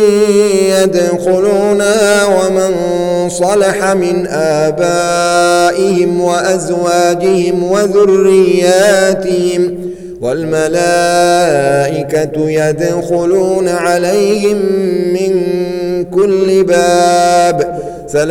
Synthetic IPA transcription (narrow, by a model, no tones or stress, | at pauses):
jad̪xʊluːnaawaman | sˤɑlɑħamɪnʔaːba | ʔɪhɪmwaʔazwaːd͡ʒɪhɪmwaðʊrːɪjːaːt̪ɪhɪm | walmalaː | ʔɪkat̪jad̪xʊluːnaʕalajhɪmːɪnkʊlːɪbaːb | θal